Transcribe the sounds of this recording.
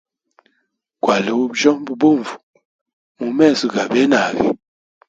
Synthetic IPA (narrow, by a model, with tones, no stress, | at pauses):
kwa˨le˨wu˦bd͡ʒɔ˦ŋbu˨bo˦˨ɱvu˨ | mu˨mɛ˦˨zi˨ɡa˨be˦na˨ɡḭ˨